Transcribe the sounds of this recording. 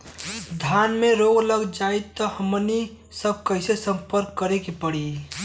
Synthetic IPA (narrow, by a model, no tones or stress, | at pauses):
d̪ʱjanmeɾoɡləɡd͡ʒait̪ɔhəmni | səb̚ʱkəɪsesə̃mpəɾkːəɾekepəɽi